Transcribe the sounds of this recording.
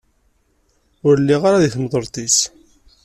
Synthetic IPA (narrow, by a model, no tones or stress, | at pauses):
ʊɾlːiʁaɾaðiθmðˤəɾˤt̪ˤis